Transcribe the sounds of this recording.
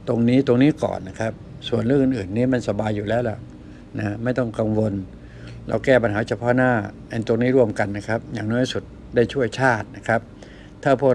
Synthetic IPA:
t̪o˧ŋniː˦˥t̪o˧ŋniː˦˥kɔ̰ː˨˩nːa˦˥kʰa˦˥p̚ | su˨˩ənɾɯː˥˩ŋʔɯ˧˩nʔɯː˨˩nːiː˦˥ma˧nsa˧baː˧jːuː˨˩lɛː˦˥wla̰˨˩ʔ | na˦˥ma˥˩jt̪ɔ˥˩ŋka˧ŋwo˧n | ɾa̰˧wkɛː˥˩p̬a˧nɦaː˩˦˥t͡ɕʰa˧pʰɔ˦˥naː˥˩ʔa˧nt̪o˧ŋniː˦˥ɾu˥˩əmka˧nːa˦˥kʰa˦˥p̚jaː˨˩ŋnɔː˦˥˩jsu˨˩t̪̚ | daː˥˩jt͡ɕʰu˥˩əjt͡ɕʰaː˥˩t̪̚na˦˥kʰa˦˥p̚ | t̪ʰːaː˥˩pʰu˥˩ək̚

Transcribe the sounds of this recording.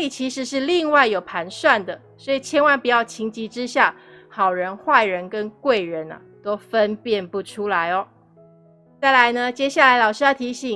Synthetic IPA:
i˨˩t͡ɕʰi˧˥ʂɻ̩˧˥ʂɻ̩˥˧li˥˧ŋwa˥˩ɪjo˨˩ʊpʰa˧˥nswa˥˩nd̪ə˩ | swɔ˧˥i˨˩t͡ɕʰjɛ˧˥nwa˥˩npu˨˩jɑ˥˩ʊt͡ɕʰi˧˥ŋt͡ɕi˧˥ʈ͡ʂɻ̩˥ɕja˥˩ | xɑ˨˩ʊɻə˧˥nxwa˥˩ɪɻə˧˥nkə˥nkwe˥˩ɪɻə˧˦nɐ̰˨t̪o˥ʊfə˦npjɛ˥˧npu˥˩ʈ͡ʂʰu˥la˧˥ɪɔ˧ | t͡sa˥˩ɪla˧˥ɪnə˧t͡ɕjɛ˥ɕja˥˩la˧˥ɪlɑ˨˩ʊʂɻ̩˥jɑ˥˩t̪ʰi˧˥ɕi˨˩

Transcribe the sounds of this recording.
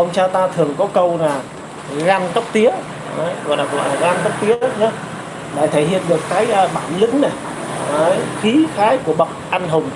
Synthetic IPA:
ʔə˧wŋ͡mt͡ɕaː˧t̪aː˧t̪ʰɨ˨˩əŋkɔ˨˦kə˧wlaː˨˩ | ɣaː˧nk̪ə˦˥k͡p̚t̪i˨˦ə˧˦ | jɣɔ̰˨˧˨laː˨˩kɔ˧˨laː˨˩ɣaː˧nk̪ə˦˥p̚t̪i˨˦əə˦ɲa˨˦ | la̰ː˧˨jt̪ʰə˧˩jhḭ˧˨ənɗɨ˨˩əkːaː˨˦jʔːɓaː˧˩nlï˨˦ŋna˨˩j | ə˧˨˦jxi˨˦xaː˨˦jku˧˩əɓə˨˩wk͡p̚ʔa˧nɦʊ˨˩ŋ͡m

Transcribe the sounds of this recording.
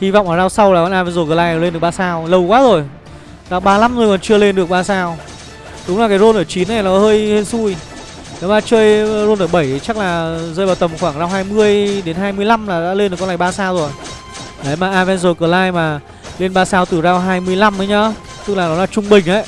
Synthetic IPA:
hi˧vɔ̰˧˨wŋ͡mlaː˨˩zaː˧wsa˧wlaː˨˩kɔ˨˧˦nʔaː˧vɛ˧nzo˨˧˩k̬əː˨˩laː˧jlnɗək̚ɓaː˧saː˧wlə˨˧˩wkwaː˨˦zo˨˩j | zaː˧wɓaː˧la˨˥mzo˨˩jkɔ˨˩nt͡ɕɨ˧əle˧nɗɨ˨˩ək̚ɓaː˧saː˧w | ɗʊ˨˦ŋ͡mlaː˨˩kaː˨˦jzo˧nʔəː˧˩t͡ɕi˨˦nːa˨˩jnɔ˨˦həː˧jhe˧nsu˧˩j | ɗɔ˨˦maː˧˩t͡ɕəː˧jzo˧nʔəː˧˩ɓə˧˩jt͡ɕa˦˥k̚laː˨˩zəː˧jɓaː˨˩wt̪ə˨˩mxwaː˧˩ŋzaː˧wɦaː˧jmɨ˧əjɗe˨˦nɦaː˧jmɨ˧əjla˧mlaː˨˩ɗa̰ː˧˥le˧nɗɨ˨˩klaː˧˨˩jɓaː˧saː˧wzo˨˩j | ɗə˨˦maː˨˩ʔaː˧vɛ˧nzo˨˩kəː˨˩laː˧jmaː˨˩ | le˧nɓaː˧saː˧wt̪ɨ˨˩zaː˧wɦaː˧jmɨ˧əjla˧mʔə˨˦jɲɔ˨˧˦ | t̪ɨ˦˥k̚laː˨˩nɔ˨˦laː˨˩t͡ɕʊ˧ŋ͡mɓï˨˩ŋ̟ʔə̰˧˩j

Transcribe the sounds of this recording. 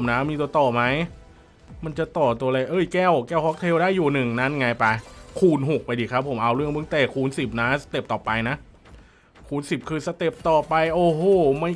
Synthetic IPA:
mna˦˥miː˧t̪̬u˧t̪ɔː˨˩ma˦˥j | ma˧nt͡ɕa˨˩t̪ɔː˨˩t̪u˧ɐlɤː˧jʔɤː˧˥˩jkɛː˥˩wkɛː˥˩whɔ˦˥k̚t̪ʰeː˧wdaː˥˩jːuː˨˩nɯ˨˩ŋna˦˥˨nŋa˧jpa˧jkʰuː˧nɦo˨˩k̚pa˧jdiː˧˩kʰa˦˥pʰːo˩˦mʔa˧wɾɯ˥˩əŋpɯ˧˩ŋt̪ɛː˨˩kʰuː˧nsi˨˩p̚na˦˥sḁ˧t̪e˨˩p̚t̪ɔː˨˩pa˧jna˦˥ʔ | kʰuː˧˥˩nsi˨˩p̚kʰɯː˧sa˧t̪e˨˩p̚t̪ɔː˨˩pa˧jʔoː˧˩hoː˧˩ma˥˩

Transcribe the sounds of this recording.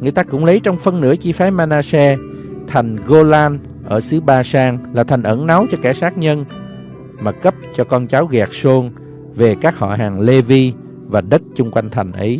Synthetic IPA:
ŋɨ˨˩ət̪aː˧kʊ̰˧˥ŋ͡mlə˨˦jt͡ɕɔ˧wŋ͡mfə˧nnɨ̰˧˥ət͡ɕi˧faː˨˦maː˧naː˧sɛ˧ | t̪ʰa˨˩jŋ̟ɣo˧laː˧n | ʔəː˧˩sɨ˨˦ɓaː˧saː˧ŋlaː˨˩t̪ʰa˨˩jŋ̟ʔə˧˩nna˨˦wt͡ɕɔ˧ka˧˩saː˦˥k̚ɲə˧n | maː˨˩kə˦˥p̚t͡ɕɔ˧kɔ˧nt͡ɕaː˨˦wɣɛː˨˩k̚so˧n | ve˨˩kaː˦˥k̚hɔ̰˧˨ɦaː˨˩ŋle˧vi˧ | vaː˨˩ɗə˦˥t̚t͡ɕʊ˧ŋ͡mkwa˧jŋ̟t̪ʰa˨˩ŋ̟ʔə̰˨˦j

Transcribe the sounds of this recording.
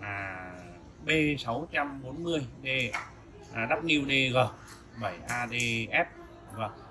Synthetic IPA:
ʔaː˨˩ | ɓe˧sa˨˦wt͡ɕa˧mɓo˨˦nmɨ˧əjɗe˧ | ʔa˨˩ɗa˦˥p̚ni˧ə˧wɗe˧ɣəː˧˩ | ɓə˧˩jʔaː˧ɗe˧ʔɛ˦˥p̚ | ɣəː˧˩

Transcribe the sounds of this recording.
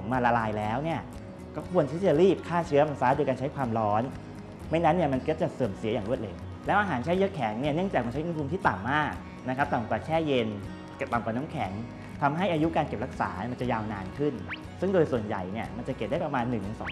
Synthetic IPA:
ŋmaː˧la˧laː˧jlɛː˦˥wni˥˩ɐ | kɔː˥˩kʰu˧ənt̪ʰiː˥˩t͡ɕa˨˩ɾiː˥˩p̚kʰaː˥˩t͡ɕʰɯ˦˥ɐma˧nsaː˦˥du˧jkaː˧t͡ɕʰjkʰwaː˧mɾɔː˦˥n | ma˥˩jna˦˥nːi˥˩ɐma˧nkɔ˦˥t͡ɕa˨˩sɤː˨˩msi˨˩˦jaː˨˩ŋɾu˥˩ə˩t̪̚leː˧ | lɛː˦˥wʔaː˧ɦaː˩˦nt͡ɕʰɛː˦˥˩jɤ˦˥kʰɛː˨˩˦ŋni˥˩ɐnɯ˥˩əŋt͡ɕaː˨˩k̚a˧nt͡ɕa˦˥ʔpu˧mt̪ʰiː˥˩t̪a˨˩mːaː˥˩k̚ | na˦˥kʰa˦˥p̚t̪a˨˩mkwaː˨˩t͡ɕʰɛː˥˩je˧n˨˩ | t̪a˨˩mkwaː˨˩nɔː˦˥mkʰɛ˩˦ŋ | t̪ʰa˧mɦa˥˩jʔaː˧ju˦˥kaː˧nke˨˩p̚ɾa˦˥k̚sa̰ː˩˦n˥˩ma˧nt͡ɕa˨˩jaː˧wnaː˧nkʰɯ˥˩n | sɯ˥˩ŋdoː˧jsu˨˩ənja̰˨˩jni˥˩ɐma˧nt͡ɕa˨˩ke˨˩p̚da˥˩pɾa˧maː˧nːɯ˨˩ŋtʰɯ˨˩˦sɔː˨˦

